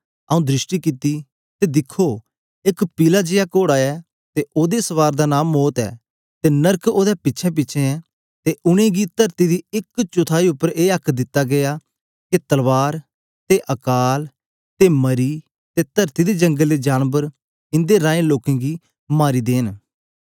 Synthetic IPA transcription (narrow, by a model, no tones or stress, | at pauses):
əũd̪ɾɪʃʈikɪt̪iː | t̪ed̪ɪkʰːoː | ɪkpiːlaːd͡ʒɪjakoːɽaːɛː | t̪eoːd̪esəʋaːɾd̪aːnaːmːoːt̪ɛ̰ː | t̪eːnəɾkoːd̪ɛpɪtːʃʰɛp̬ɪːʃʰẽɛ̃ | t̪eʔʊɽ̃ẽːɡiːt̪əɾt̪id̪iːɪkt͡ʃʊt̪ʰaːiːʊpːəɾeːəkʰd̪ɪt̪ːaɡɪjaː | ket̪əlʋaːɾ | t̪eʔəkaːl | t̪eːməɾiː | t̪eːt̪əɾt̪iːd̪ed͡ʒə̃ŋɡəlːeːd͡ʒaːnbəɾ | ɪ̃nd̪eɾãːẽloːkẽːɡiː | maːɾiːd̪eːn